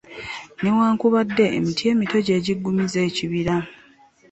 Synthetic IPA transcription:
newaːŋkuβadːe̞ʔːmitje̞ːmito̞ɟe̞ːɟiɡːumize̞ːciβiɾa

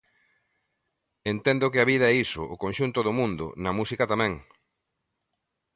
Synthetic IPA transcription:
ent̪ɛnd̪ʊkɪaβiðɐɛisʊ̰ʔʊkonʃunt̪ʊðʊmũnd̪ʊ̰nɐmusikat̪amɛ̃ŋ

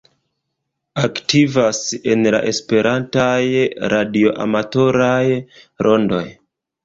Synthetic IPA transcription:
aktivase̞nla̰ʔe̞spe̞ɾʔantajɾʔadio̞ʔa̰mato̞ɾaj | ɾʔo̞ndo̞̰j

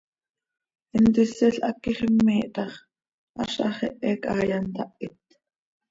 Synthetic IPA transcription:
ʔɪnt̪ɪsɪɬʔɑkːiχəmːiːʔt̪ɑχ | ʔɑ̰ʃʔɑχɛʔɛkɑːjɑnt̪ɑʔɪt̪

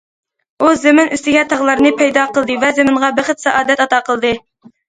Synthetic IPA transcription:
uzɪmɪnyst̪ɪɡʲɛt̪ʰɑʁlˠɑɾnɨpʰɛjd̪ɑqəlˠd̪ɨvɛzemɪɴʁɑbɪχət̪sɛʔɑːd̪ɛt̪ɑt̪ɑqʰəlˠd̪ɨ

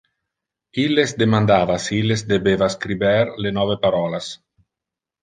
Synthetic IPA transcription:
ilezd̪emand̪aːvasiilesd̪ebevaskɾibɛɾlenɔvepaɾɔlas

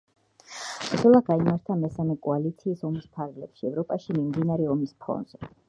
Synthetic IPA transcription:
ɛlˠaɡaimaɾt̪ʰamɛsamɛkʼɔalit̪sʰiːsɔmispʰaɾɡlɛpʃiɛvɾɔpʼaʃimimd̪inaɾɛɔmispʰɔ̰nz̥ɛ

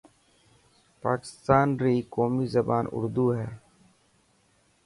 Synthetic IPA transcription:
paːkɪ̥st̪aːnɾiːkoːmiːzəbaːnʊ̰ɾd̪uːɦɛː

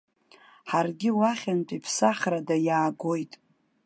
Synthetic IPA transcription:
ħarɡʲɪwaχʲantʼipʰsaχʲradajaːɡo̞jtʼ

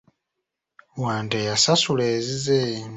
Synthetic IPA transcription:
waːntejasasuleːzize

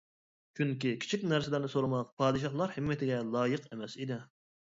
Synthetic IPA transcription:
t͡ʃʰyŋkʲikʲʰi̥t͡ʃʰikʲnæɾsɪlɪɾnɪsoɾʊmɑq̚pʰɑːd̪ɨʃ̬ɑhlˠɑɾhɪmːɪt̪ʰɪɡʲɛlˠɑːjəqemɛsid̪ɪ

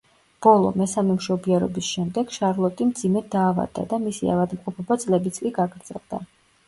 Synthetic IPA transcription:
b̥ɔlˠɔ̰mɛsamɛmʃɔbiɛɾɔ̰bisʃɛmd̪ɛɡ̥ʃaɾlˠɔt̪ʼimd̪zimɛd̪aːva̰d̪ːa̰d̪amisia̰vad̪mqʼɔpʰɔbat̪sʼlɛbit̪sʼkʼiɡaɡɾd̪z̥ɛ̰lˠd̪a

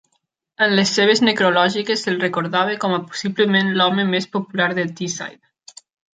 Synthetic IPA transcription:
ənlesːeβ̞eznekɾulɔʒikeselˠrekoɾðaβ̞ekɔməpo̥siβləmenlɔmemespopulaɾðət̪isa̰jt

